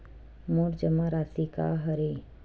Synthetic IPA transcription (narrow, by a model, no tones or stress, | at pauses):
moːɾd͡ʒəmaɾaːsika̰ɦɐɾe